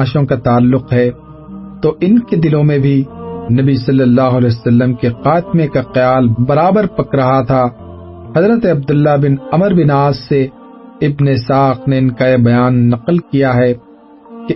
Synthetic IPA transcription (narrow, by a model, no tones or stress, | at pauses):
ʃõkat̪aːlːʊqɦɛ | t̪oʔɪnked̪ɪlõmẽbʱinɐbisɐlːəlːaːɦʊəlɛːsɐlːəmkexaːt̪mekaqɪjaːlbɐɾaːbəɾpɐkɾɐɦat̪ʰa | hɐzɾət̪eɐb̚d̪ʊlːabɪnɐməɾbɪnaːzse | ɪbneɪsaːxneɪnkajebɐjaːnːɐqəlkijaɦɛ | ke